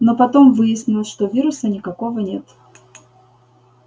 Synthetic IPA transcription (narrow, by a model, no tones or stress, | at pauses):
nopɐt̪o̞mvɨjɪsʲnʲɪlˠʂt̪ovʲiɾʊsənʲɪkɐko̞vənʲe̞t̪